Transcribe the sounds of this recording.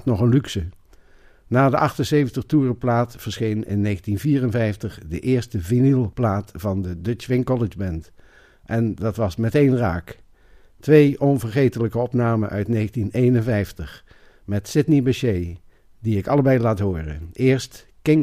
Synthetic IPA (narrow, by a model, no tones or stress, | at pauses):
tnɔχənlyksə | naːdəʔɑχtənsejvəntəχtuːrəplaːtfəɹsχejnɪ̰nːeːχəntinviːrənvɛjftəχdəʔɪːɹstəvinilˠplaːtfɑndədɵt͡ʃʋɪŋkɔlɪd͡ʒbɛnt | ʔɛndɑtʋɑsmɛtejnraːk | tʋejʔɔnvəɹχejtələkəɔpnaːməʔœ̰ɥtnejχəntinejnənvɛjftəχ | mɛtsɪtnibəʃej | diɪkɑləbɛjlaːtɦʊːrə̰ʔɪːɹst | kɪŋ